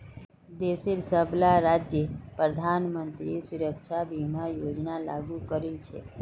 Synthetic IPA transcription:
d̪eseɾsəblaɾad͡ʒjəpɾəd̪ʱanmənt̪ɾisuɾəkt͡ʃʰabʱimajod͡ʒnala̰ɡukəɾilt͡ʃʰḛ

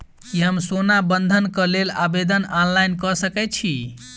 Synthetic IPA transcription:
iɦəmsonabənd̪ʱənkəlelabed̪ənanlajnkəsəkɛt͡ʃʰi

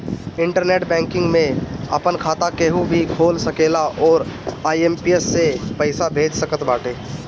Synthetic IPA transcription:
ɪ̃ɳʈəɾneːʈbɛ̃ːŋkɪ̃ŋɡmẽɐ̰pənkʰaːt̪akeɦubʱikʰoːlsəkeːlaʔɔːɾaːiempijəsːepəɪsabʱeːd͡ʒsəkət̪baːʈʰeː

